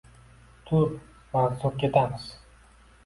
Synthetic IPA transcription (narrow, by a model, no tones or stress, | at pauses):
t̪ʰʊɾ | maʁzup̚kʲe̞t̪ʰamɪz̥